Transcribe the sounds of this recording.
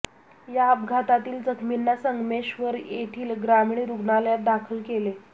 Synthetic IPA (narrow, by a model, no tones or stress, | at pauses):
jaəb̚ɡʱat̪at̪iːld͡zəkʰminːasəŋɡmeɕʋəɾjeʈʰiːlɡɾamiɳ̃iːɾuɡnaljat̪̚d̪akʰəlkele